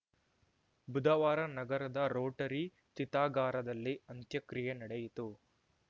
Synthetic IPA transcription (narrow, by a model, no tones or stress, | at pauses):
bud̪ʱɐʋaːɾɐnɐɡɐɾɐd̪ɐɾoːʈɐɾi | t͡ʃit̪aːɡaːɾɐd̪ɐlːiɐnt̪jɐkɾijenɐɽejit̪u